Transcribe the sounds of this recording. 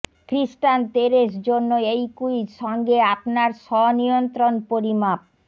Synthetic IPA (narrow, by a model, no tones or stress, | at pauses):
kɾisʈant̪eɾeʃ̬d͡ʑonːoejkujʃɔŋɡeapnaɾʃɔniont̪ɾonpoɾimap̚